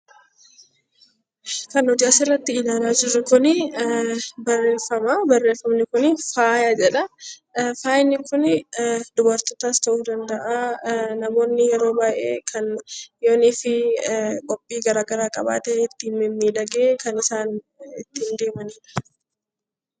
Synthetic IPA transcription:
kɐnhɔd͡ʒaːsɪrːɐt̪ːɪɪlaːlaːd͡ʒɪrːʊkʊnɪ | bɐrːeːnfɐmɐbɐrːeːnfɐmnɪkʊnɪfaːjad͡ʒɛᶑɐ | faːjɪnːɪkʊnd̪ʊbɐɾt̪ɔt̪ast̪ɐʔuːd̪ɐnd̪ɐʔaːnɐmo̞ːnːɪjɛɾo̞ːbaːjʔeːkʰɐnjoːnɪfɪkʼɔpʼːiːɡɐɾaːɡɐɾaːkʼɐba̰ːt̪ɛɪt̪ːiːnmɪmːiːᶑɐɡeːkɐnɪsaːn | ɪt̪ːiːnd̪eːmɐniːᶑɐ̥

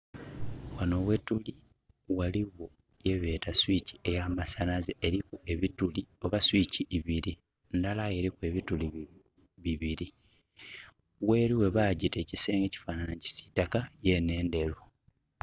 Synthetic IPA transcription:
wano̞βwetuli | waliwo | jeβe̞ːtaswici̥e̞jamasanazeʔːɾikue̞βitulio̞βaswiciːβiɾi | ndalaje̞ɾikue̞βituli | βiβiɾi | we̞ːɾiwe̞βaːɟite̞ːciseːŋɡe̞ci̥faːnanaci̥si̥takaje̞ne̞ːnde̞ɾo

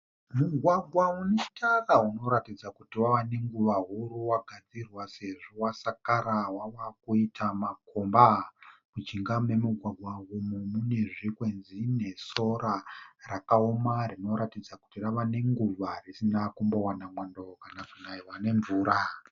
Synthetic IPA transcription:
muɡʱwaɡʱwaunei̥tʰarauno̞ɾatid͡zakutiwaʋane̞ŋɡuʋaɦuɾuwaɡʱad͡zirwase̞ʐowasakaɾawawakuitʰamakombamud͡ʒiŋɡame̞muɡʱwaɡʱwaumumune̞ʐikwe̞nzine̞so̞ɾarakaomarino̞ɾatid͡zaku̥tiraʋane̞ŋɡuʋarisinakumbo̞wanamwando̞kanakunaiwane̞ɱvuːɾa

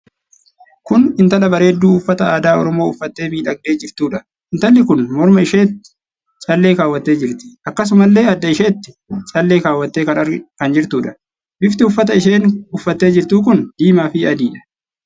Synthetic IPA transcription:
kʊnɪnt̪ɐlɐbɐɾeːd̪ːuːʊfːɐt̪ɐaːd̪aːɔɾɔmo̞ːʊfːɐt̪ːe̞ːmiːᶑɐɡ̚d̪e̞ːd͡ʒɪɾt̪uːᶑɐ | ɪnt̪ɐlːɪkʊnmɔɾmɐɪʃeːt̪ːɪ̥ | t͡ʃʼɐlːe̞ːkaːwːɐt̪ːe̞ːd͡ʒɪɾt̪ɪ̥ʔɐkːɐs̬ʊmɐlːe̞ːɐd̪ːɐɪʃeːt̪ːɪ̥ | t͡ʃʼɐlːe̞ːkaːwːɐt̪ːeːkɐnɐɾɡkɐnd͡ʒɪɾt̪uːᶑɐ̥ | bɪft̪ɪʊfːɐt̪ɐɪʃeːnʊfːɐt̪ːe̞ːd͡ʒɪɾt̪uːk̬ʊnd̪̥iːmaːfɪɐd̪iːᶑɐ̥

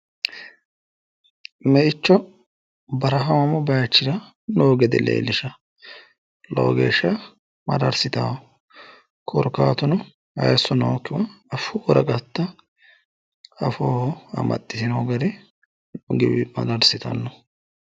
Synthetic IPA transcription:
mɛʔɪt͡ʃːɔ | bɐɾɐɦɐmɐmɔbɐjɐt͡ʃːɪɾɐ | noːɡɛd̪ɛ̰lḛːlːɪʃɐ | lo̰ːɡḛːʃɐ | mɐ̰d̪ɐɾsɪt̪a̰ː | kʰɔɾkːaːt̪ʊnʊ | ɐ̰jsːɔnoːkːɪwɐɐfuːɾɐɡɐt̪ːɐ | ɐfoːhɔɐ̰mɐ̰t̪ʼːɪt̪ɪnoːɡɐɾɛ | ɡɪ̰bɪmɐ̰d̪ɐɾsɪt̪ɐ̰nːɔ

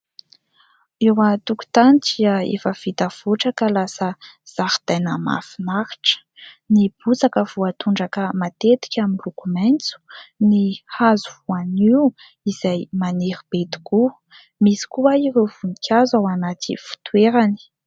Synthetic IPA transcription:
ewət̪uku̥t̪aniʈ͡ʂiəḛfəvit̪av̥oʈ͡ʂakəlasəz̥ahid̪̥ajnəma̰finaɾi̥ʈ͡ʂə̥ | nib̥ut͡sakəvuat̪uɳɖ͡ʐakəmat̪et̪i̥kʲaminlukumajnt͡su̥nihazuvuaniu | iz̥ajmaneɾib̥et̪i̥ku | misi̥kuaiɾewv̥unikʲʰazawanat̪ḭfu̥t̪ueɾani̥

